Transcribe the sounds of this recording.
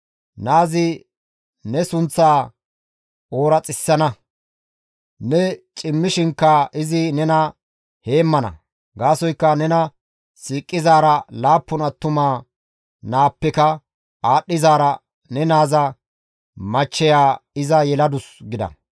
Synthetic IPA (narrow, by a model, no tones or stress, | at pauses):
naːzɪ | nɛsʊnt͡sːaː | o̞ːɾɐt͡sʼɪsːɐnɐ | nɛt͡ʃʼɪmːɪʃɪŋkːɐʔɪzɪnɛnɐ | he̞ːmːɐnɐ̰ | ɡaːsɔjkːɐnɛnɐ | siːkʼːɪzaːɾɐlaːpːʊnɐt̪ːʊmaː | naːpːɛkɐ | aːɗːɪzaːɾɐ | nɛnaːzɐ | mɐt͡ʃːɛjaːɪzɐjɛlɐd̪ʊsɡɪd̪ɐ̰